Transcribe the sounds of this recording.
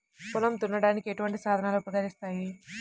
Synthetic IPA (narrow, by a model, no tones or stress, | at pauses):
kulɐmt̪unːɐɽaːnikieʈuʋɐɳʈisaːd̪ʱɐnaːloːpɾɐɡɐɾist̪aːji